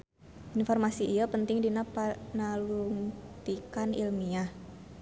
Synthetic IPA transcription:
ʔinfɔrmasiʔiapənt̪ɪŋdinapanaluŋt̪ikanḭlmia

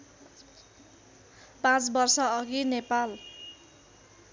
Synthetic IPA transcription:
pãt͡sbʌrsʌʌɡinepal

